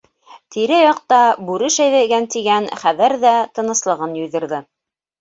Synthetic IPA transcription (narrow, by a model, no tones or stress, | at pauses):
t̪iɾæjɑq̚t̪ɑbʉɾɘʃæjðæɡænt̪iɡænχæðɘɾðæt̪ɤ̆nɤ̆slˠɤ̆ʁɤnjɵ̆jðɘ̆ɾðɘ